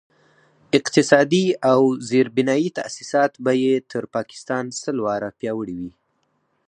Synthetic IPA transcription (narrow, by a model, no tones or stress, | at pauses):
ɪqt̪ɪsɑd̪iawzeɾbɪnɑjit̪a̰sisɑt̪bajet̪ʰəɾpɑkɪ̥st̪ɑnsəlwɑɾapjɑwəɽiwi